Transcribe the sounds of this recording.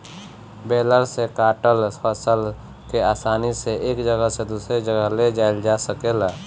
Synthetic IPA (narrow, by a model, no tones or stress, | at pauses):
beːləɾsekaːʈəlspəsəl | keaːsaːniseʔeːkd͡ʒəɡəsed̪uːsɾed͡ʒəɡəɦled͡ʒaːɪld͡ʒasəkela